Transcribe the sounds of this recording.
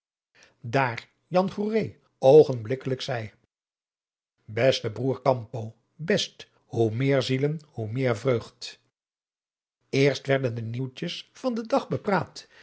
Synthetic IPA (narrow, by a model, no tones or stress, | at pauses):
daːɹ | jɑnχurej | owχənblɪkələksɛj | bɛstəbruːɹkɑmpo | bɛst | humɪːɹzilənhumɪːɹvrøɥχt | ɪːɹstʋɛɹdəndəniwt͡ʃəsfɑndədɑχbəpraːt